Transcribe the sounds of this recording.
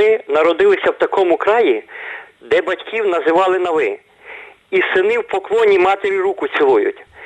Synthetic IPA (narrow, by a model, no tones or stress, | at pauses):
ɪnɐɾɔd̪ɪlˠɪsʲɐwt̪ɐkɔmʊkɾɑji | d̪ɛbɐtʲkʲiwnɐzɪʋɑlˠɪnɐʋɪ | isɪnɪwpɔklˠɔnʲimɑt̪eɾʲiɾukʊsʲilˠujʊ̰tʲ